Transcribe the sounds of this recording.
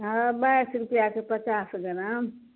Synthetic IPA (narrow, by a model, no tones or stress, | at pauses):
ɦabajsɾupijakepət͡ʃasɡəɾã